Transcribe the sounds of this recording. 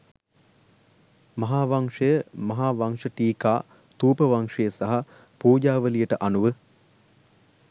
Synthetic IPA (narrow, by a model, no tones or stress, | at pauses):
mɐɦaːʋaŋʂəjəmɐɦaːʋaŋʂəʈiːkaː | t̪uːpəʋaŋʂejəsaɦa | puːd͡ʒaːʋəlijəʈəʔanuʋə